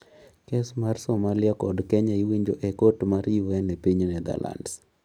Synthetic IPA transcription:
kesmarsomalɪakɔdkɛɲaiwiɲd͡ʒoʔɛkotmaɾiwɛnɛpiɲnɛd̪a̰lʔa̰nds

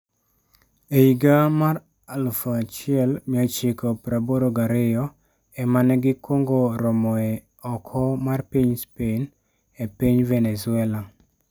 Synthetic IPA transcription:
eiɡamar | alfat͡ʃɪɛlmɪat͡ʃɪkɔpɾaboɾoɡaɾɪjɔ | ɛmanɛɡɪkwoŋɡoɾɔmɔɛ | ɔkʰɔmarpiɲspen | epiɲvenesʊɛla

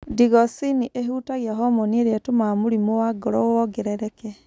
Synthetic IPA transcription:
diɣɔsiniʔeɦuːtaɣiaɦɔmɔnieɾɛtomamoɾimowaɡɔɾɔoɔɡeɾɛɾɛkɛ

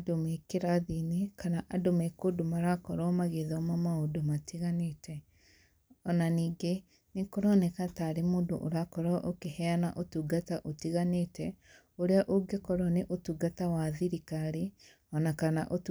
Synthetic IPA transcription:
adomekeɾaðinikanaʔadomekodomaɾakɔɾɔmaɣeðɔmamaodomatiɣanetɛ | ɔnaniːɡe | nekoɾɔnɛkataɾemoːndo̰ʔoɾakɔɾɔʔokehɛana̰ʔotuːɡataʔotiɣanetɛ | oɾeaʔoɡekɔɾɔneʔotuɡatawaðiɾikaɾe | ɔnakanaʔot

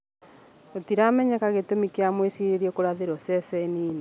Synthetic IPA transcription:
otiɾamɛɲɛkaɣetomikeamwesiɾeɾiɛkoɾaðeɾɔsɛsɛniːne

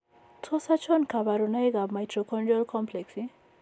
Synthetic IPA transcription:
tʰosat͡ʃʰɔnkʰabaɾunʌjɡabmajtrokʰɔnɖolkʰɔmpʰleksĩ

